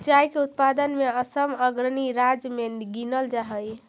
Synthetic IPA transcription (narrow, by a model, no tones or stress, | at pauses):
d͡ʒajkeut̪̚pad̪ənmeəsəməɡɾəniɾad͡ʒmenɡinəld͡ʒaɦəj